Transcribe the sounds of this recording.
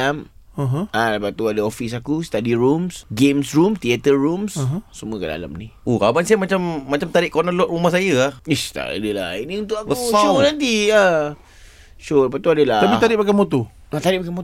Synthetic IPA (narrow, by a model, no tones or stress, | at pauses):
am | ɦalapaʔt̪uadəofis̬akust̪adiɾumsɡemsrumt̪iat̪əɹumssəmuəkada̰la̰mniokabansiamat͡ʃamːat͡ʃamt̪aɾɪʔkonəlɔʔ̚rumahsajəahist̪a̰a̰dəla̰iniunt̪ʊʔakusunant̪ia | ʃuapaʔt̪uadəlatapit̪aɾɪʔpakamot̪o | at̪aɾɪʔ̚bakamot